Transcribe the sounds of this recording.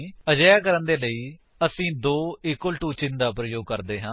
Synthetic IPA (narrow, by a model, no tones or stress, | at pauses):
əd͡ʒəjaːk̬əɾənd̪eːləiː | əsĩːd̪oːɪkːʊlʈuːt͡ʃɪnd̪aːpɾəjoːɡ̚kəɾd̪eːɦãː